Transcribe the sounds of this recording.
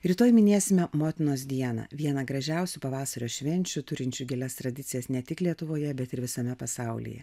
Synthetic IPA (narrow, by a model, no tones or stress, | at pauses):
ɾʲit̪oːjmʲɪnʲeːsʲɪmʲɛmoːt̪ʲɪnoːs̬d̪ʲiɛnɐ̰ʋʲiɛnɐɡɾɐʒʲɛˑʊsʲʊpɐʋɑːsɐɾʲoːʃʲʋʲɛnʲt͡ʃʲʊt̪ʊɾʲɪnʲt͡ʃʲʊɡʲɪlʲɛst̪ɾɐd̪ʲɪt̪sʲɪjɛsnʲɛt̪ʲɪklʲiɛt̪ʊʋoːjɛbʲɛt̪ɪɾʋʲɪsɐmʲɛpɐsɑˑʊlʲḭjɛ̰